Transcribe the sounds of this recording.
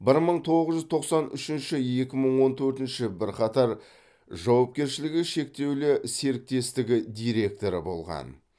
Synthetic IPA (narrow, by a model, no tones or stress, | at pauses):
bɪɾməɴt̪ʰo̞ʁəzʒʏzt̪ʰo̞qsɑnʏʃɪnʃɪje̞kʲɪməɴwo̞nt̪ʰɵɾt̪ɪnʃɪbɪɾqʰɑt̪ɑɾ | ʒɑwɑp̚kʲe̞ɾʃɪlɪɡʲɪʃe̞k̚t̪e̞wlɪse̞ɾɪk̚t̪e̞st̪ɪɡʲɪd̪ijɾe̞k̚t̪o̞ɾə̰bo̞̰lˠʁɑ̰n